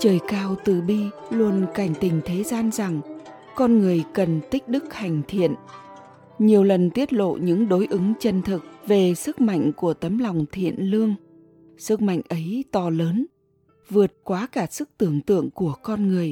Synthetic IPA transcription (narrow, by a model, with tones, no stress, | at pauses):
t͡ɕəː˨˩jkaː˧wt̪ɨ˨˩ɓi˧lu˧ənka˧˩jŋ̟t̪ï˨˩ŋ̟t̪ʰe˨˦zaː˧nza˨˩ŋ | kɔ˧nŋɨ˨˩əjkə˨˩nt̪ï˦˥k̟̚ɗɨ˦˥k̚ha˨˩jŋ̟t̪ʰḭ˧˨ən | ɲi˨˩əwlə˨˩nt̪i˦˥ət̚lo̰˧˨ɲɨ̰˧˥ŋɗo˨˦jʔɨ˨˦ŋt͡ɕə˧nt̪ʰɨ˨˩k̚ve˨˩sɨ˦˥k̚ma̰˧˨jŋ̟ku˧˩ət̪ə˨˦mla˨˩wŋ͡mt̪ʰḭ˧˨ənlɨ˧əŋ | sɨ˦˥k̚ma̰˧˨jŋ̟ʔə˨˦jt̪ɔ˧˩ləː˨˦n | vɨ˨˩ət̚kwaː˨˦kaː˧˩sɨ˦˥k̚t̪ɨ˧˩əŋt̪ɨ̰˧˨əŋku˧˩əkɔ˧nŋɨ˨˩əj